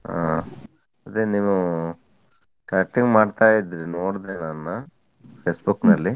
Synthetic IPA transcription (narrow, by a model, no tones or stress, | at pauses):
ɦa̰ː | ɐd̪enimu | kɐɐk̚ʈːiŋɡmaːɖt̪aːjid̪ɾinoːɽd̪eːnanːa | pʰeːsbuknɐlːi